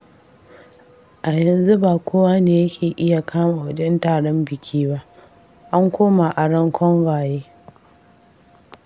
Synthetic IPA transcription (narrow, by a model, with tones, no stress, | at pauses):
ʔa˨jɐ˨nzu˦baː˨kʷʰoː˦waː˦neː˨jɐ˦kʲʰeː˨ʔɪ˦ja˨kʰaː˦maː˨wɐ˦d͡ʒɛ˦ntaː˨ɽɔ˦mbɪ˨kʲʰiː˦ba˦ʔ | ʔa˦ŋkʷoː˦ma˨ʔa˨ɽɐ˦ŋkʷʰɔ˦ŋɽaː˨jeː˦